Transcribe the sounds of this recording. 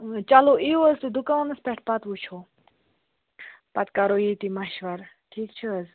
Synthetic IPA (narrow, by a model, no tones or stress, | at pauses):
t͡ʃaloʔioəzt̪ud̪ukaʋnɐspɛʈ̚ʰpɐt̪ʋut͡ʃʰo | pɐt̪kaɾoːjit̪imɐʃʋɐɾ | ʈʰiːkt͡ʃʰɨəz